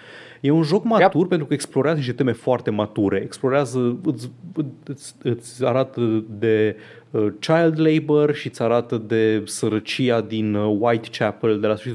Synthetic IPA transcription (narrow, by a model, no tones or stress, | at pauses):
jeunʒo̞kmat̪urpent̪ɾukəeksplo̞ɾeazəniʃt̪et̪eme̞foart̪e̞mat̪uɾe̞eksplo̞ɾeazəɨt̪sʲɨɨt̪sʲɨt̪sʲaɾat̪əd̪e̞ | ət͡ʃajld̪lejbərʃiɨt̪sʲaɾat̪əd̪e̞səɾət͡ʃiad̪inwajt̪t͡ʃapəld̪elasfə̥it̪